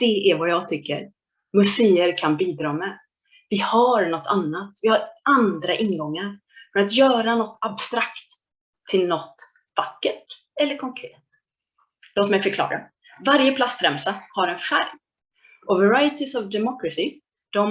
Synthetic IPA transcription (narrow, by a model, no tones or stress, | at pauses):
d̪̥ɛæɾvajɑːɡ̚t̪ʰʏkːə̰ɾ | mɵseːəɾkʰanbiːd̪ɾɑːmɛ | vɪhaɾnɔt̪ʰːanːat̪vɪhaɾand̪ɾaʔɪnɡɔŋːaɾ | fœɾat̪jœːɾanɔt̪ːabst̪ɾakt̪ʰː | ɪlnɔt̪ | vakːəʈ | ɛlːəɾkʰɔŋkʰɾḛːt̪ | loːt̪mɛjfœɾkʰlɑ̰ːɾa̰ | vaɾjəpʰlast̪ɾɛmsahaɾɛnfæɾm | ʔɔvɛɾajət̪ʰɪsɔvd̪ɛmɔkɾasɪ | d̪̥ɔm